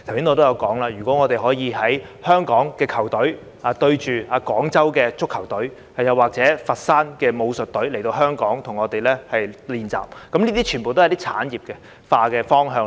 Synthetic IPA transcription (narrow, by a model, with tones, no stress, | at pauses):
t̪ʰwsiː˨˥nɔː˧t̪o˥wjɐ˨˧wkɔː˨˥ŋlaː˧jyː˨˩kʷɔː˨˥ŋɔː˨˧t̪e˨jɦɔː˨˥jiː˨˧ɦɐ˨˥jhœː˥ŋkɔː˨˥ŋkɛː˧kʰɐ˨˩wt̪ɵ˨˥ɥ | aː˨˧t̪ɵ˧ɥt͡ʃyː˨aː˨˧kɔː˨˥ŋt͡sɐ˥wkɛː˧t͡sʊ˥kʰːɐ˨˩wt̪ɵ˨˥ɥ | hɐ˨jɐ˨wːaː˨k̚t͡sɛː˨˥fɐ˨t̚saː˥nkɛː˧mo˨˧wsɵ˨t̚t̪ɵ˨˥le˨˩jt̪o˧ɦœː˥ŋkɔː˨˥ŋt̪ʰʊ˨˩ŋɔː˨˧t̪e˨jlɛː˥hɐ˨jliː˨nt͡sa̰ː˨˩p̚kɐ˨˥mniː˥t̪iː˥t͡ʃʰy˨˩npo˨wt̪o˥hjt̪i˥t͡sʰa̰ː˨˥njiː˨p̚kɛ˧ | faː˧kɛː˧fɔː˥ŋɦœː˧ŋ